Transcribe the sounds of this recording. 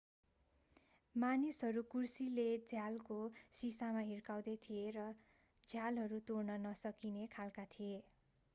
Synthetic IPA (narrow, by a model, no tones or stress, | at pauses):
manisɦʌɾukursiled͡zʱjalkosisamaɦirkaw̃d̪ʌt̪ʰierʌ | d͡zʱjalɦʌɾut̪ornʌnʌsʌkinekʰalkat̪ʰije